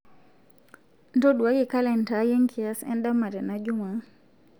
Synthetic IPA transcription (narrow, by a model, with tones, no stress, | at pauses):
ntɔ˦ɗwa˦ɡɪ˨ka˦lɛ˨nta˨je˦ŋkʰi˨ɛ˦sɛ̰˦nda˦ma˨ɾɛ˨na˦d͡ʒʊ˦ma˨